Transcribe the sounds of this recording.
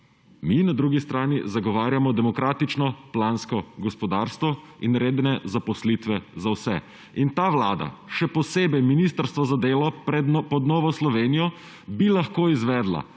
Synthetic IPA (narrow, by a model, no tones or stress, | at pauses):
minad̪ɾuːɡist̪ɾaːnizaɡɔʋaːɾjamɔd̪ɛmɔkɾaːt̪it͡ʃnɔplaːnskɔɡɔspɔd̪aːɾst̪ʋɔ | inɾeːd̪nɛzapɔslit̪ʋɛzawsɛ | int̪aːʋla̰ːd̪a̰ʃɛpɔseːbɛjminist̪əɾst̪ʋɔzad̪eːlɔpɾɛpɔd̪nɔːʋɔslɔʋeːnijɔ | bilaxkoːizʋɛːd̪la̰